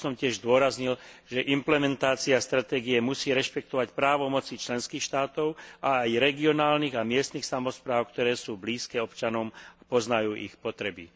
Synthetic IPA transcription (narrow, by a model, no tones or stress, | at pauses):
sɔmcɪɛʒzd̪ʊɔɾazɲilʒ̥ɛʔimplɛmɛnt̪aːt͡siast̪ɾat̪ɛːɡiɛmusiːɾɛʃpɛk̚t̪ɔʋacpɾaːʋɔmɔt͡sit͡ʃlɛnskiːxʃt̪aːt̪ɔʊaːjɾɛɡiɔnaːlniːɣamɪɛst̪niːxsamɔspɾaːʊkt̪ɔɾɛːsuːbliːskɛːɔpt͡ʃanɔmapɔznajuːʔḭxpɔt̪ɾɛbḭ